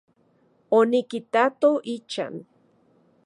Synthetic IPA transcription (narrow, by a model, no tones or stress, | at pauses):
onikit̪at̪oʔit͡ʃa̰n